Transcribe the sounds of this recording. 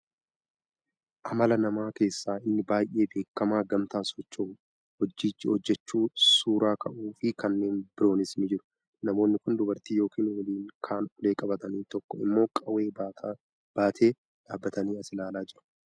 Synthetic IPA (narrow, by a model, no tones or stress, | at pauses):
ʔɐmɐlɐnɐmaːke̞ːsːaːɪnːɪbaːjʔe̞ːbe̞ːkːɐmaːɡɐmt̪aːsɔt͡ʃːoː | hɔd͡ʒːiːt͡ʃːɪhɔd͡ʒːɛt͡ʃːuːsuːɾaːkʰɐʔuːfɪkɐnːe̞ːnbɪɾo̞ːnɪsnɪd͡ʒɪɾʊ̥ | nɐmo̞ːnːɪkʊnd̪ʊbɐɾt̪iːjo̞ːkiːnwɐliːŋkʰaːnʊle̞ːkʼɐbɐt̪ɐniːt̪ɔkːɔɪ̰mːo̞ːkʼɐwe̞ː | b̥aːt̪ʰe̞ː | ᶑaːbːɐt̪ɐniːɐsɪlaːlaːd͡ʒɪɾɐ̥